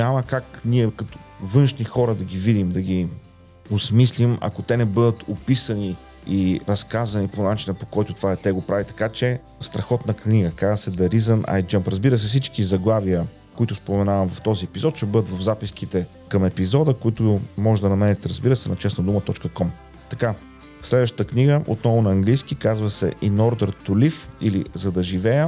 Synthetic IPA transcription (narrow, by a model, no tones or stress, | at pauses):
ɲaməkakniɛkɐt̪ʊ̥vɤnʃnixɔɾəd̪ɐɡʲivid̪imd̪ɐɡʲi | osmislimɐ̰kot̪ɛnɛbɤd̪ət̪ʰopisəni | iɾɐskazɐniponat͡ʃinəpo̥kɔjt̪ʊt̪vaɛt̪ɛɡopɾavit̪ɐ̥kat͡ʃɛ | st̪ɾɐxɔt̪nɐkniɡəkazəsɛd̪ɐɾizənʔa̰jd͡ʒəmpɾɐzbiɾəs̬ɛfs̬it͡ʃkizɐɡlˠaviə | koit̪ʊspomɛnavɐmvɐft̪ɔziɛpizɔt̪ʃɛbɤd̪ət̪vɐvzapiskit̪ɛ | kɐmɛpizɔd̪əkoit̪ʊmɔʒɛd̪ɐnɐmɛnɛt̪ɛɾɐzbiɾəsɛnɐt͡ʃɛsnɐd̪umət̪ɔt͡ʃkəkɔm | t̪ɐka | slɛd̪vəʃt̪ət̪əkniɡəʔo̰t̪nɔvʊnɐːŋɡlijskikazvəsɛ̰ʔinɔɾd̪əɾt̪ʊlifilḭzɐd̪ɐʒivɛjə